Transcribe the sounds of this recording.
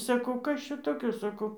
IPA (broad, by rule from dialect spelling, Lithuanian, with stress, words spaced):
sɐˈkɐʊ ˈkɐs t͡ʃʲɛ toːˈkʲoː sɐˈkɐʊ